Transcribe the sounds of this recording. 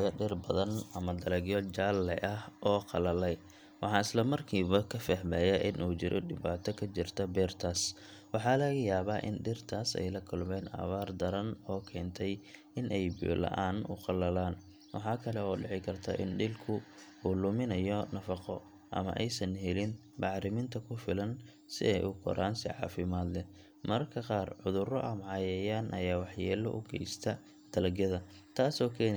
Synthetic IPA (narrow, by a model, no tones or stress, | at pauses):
jɐɖɪrbɐðɐnɐmɐd̪ɐlɐɡjɔt͡ʃaːlːɛ̰jʔɐhʔɔːqɑlɐlɛj | wʔɑħɑːɪslɐmɐrkʰiːβɐkʰɐfɛħbajɛʔɪnʔuːt͡ʃɪɾʔɔ̰ɖɪβaːt̪ʰɔkʰɐt͡ʃɪrt̪ʰɐbɛːrt̪ʰaːs | wɑħɑːlɐɣɐjaːβaːʔɪ̰nɖɪrt̪ʰaːsɛ̰jlɐkʰʊlmɛːnɐ̰βaːrd̪ɐɾɐnɔːkʰɛːnt̪ʰɛj | ɪnʔɛjbḭːlɐ̰ʔaːnʊ̰qɑlɐlaːn | wʔɑħɑːkʰɐlɛɔːɖɪʕɪkʰɐrt̪ʰɐ̰ʔɪ̰nɖɪlkʰʊ | uːlʊmɪnɐjɔnɐfɑqɔ | ʔɐ̰mɐ̰ʔɛjsɐnɦɛlɪn | bɑʕɾɪmɪnt̪ʰɐkʰʊfɪlɐn | sɪ̰ɛjʊkʰɔ̰ɾʔaːnsɪʕɑ̰ːfɪmaːd̪lɛ | mɐrkʰɐqɑːrʕʊðʊrɔʔɐmʕɑjɛjaːnʔɐ̰jaːwɑħjɛːlɔʔʊɡɛ̰jst̪ʰɐ | d̪̥ɐlɐɡjɐðɐ | t̪ʰaːsɔːkʰɛːn